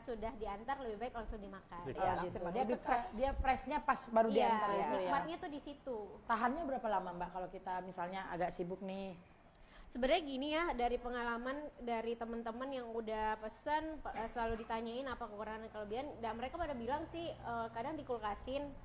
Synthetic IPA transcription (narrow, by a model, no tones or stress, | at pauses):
sudahdiant̪arləbɪhbaɪklaŋsʊŋdimakanaɡitudiabiɛsdiapɾɛsɲapasbaɾudianaɾnikj̚mat̪̚ɲat̪ʊhdisit̪ut̪aɦanɲabəɾapalamanbaʔkalokit̪amisalɲaa̰ɡaʔsibʊk̚nɪh | səbəɾɲaɡinijadaɾipəŋalamandaɾit̪əmənt̪əmənjaŋudapəsənəsəlaludit̪aɲaɪnapakəkuɾaŋanankalobiandaməɾekapadabilaŋsɪhəkadaŋdikulkasɪn